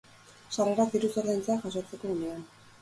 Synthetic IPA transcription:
sare̞ɾak̪iɾuso̞ɾðajnt͡saʝaso̞t͡se̞ko̞ɣunean

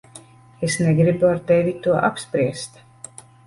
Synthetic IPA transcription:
esnɛɡɾibuaɾt̪ɛvʲit̪uɔʔapspɾiɛst̪

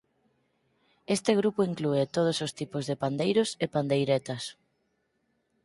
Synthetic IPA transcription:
est̪ɪɣ̞ɾupoiŋkluet̪oð̞osost̪ipozðepand̪ejɾʊsepand̪ejɾet̪ɐs

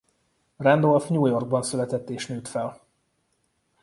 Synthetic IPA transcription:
rɛnd̪olfɲuːjo̞rɡ̚bɒnsylɛt̪ɛt̪ːeːʃnøːt̪fɛl

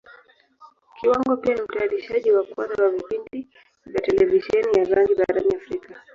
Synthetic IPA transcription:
kiwaŋɡɔpianim̩taːliʃaʄiwakwa̰ðawavipinti | vjatɛlɛviʃɛnijazaŋɡiɓaɾaniafɾika

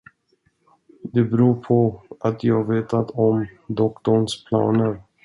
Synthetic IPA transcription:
d̪ɛbɛɾuːpʰɔʔat̪ʰjɑːaɡveːt̪at̪ʰɔmd̪ɔkt̪ɔɳspʰlɑ̰ːnəɾ

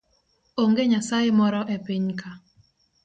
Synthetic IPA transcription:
oŋɡeɲasajemɔɾɔʔepɪɲkʰa

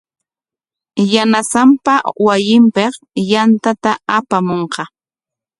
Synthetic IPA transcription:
janasampawajɪmpeq | jant̪at̪aapamoɴqɑ

